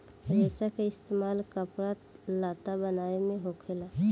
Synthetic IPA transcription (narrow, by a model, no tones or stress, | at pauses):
ɾɛːsakaɪst̪eːmaːlkəpɾalaːt̪abənaːemẽɦoːkʰela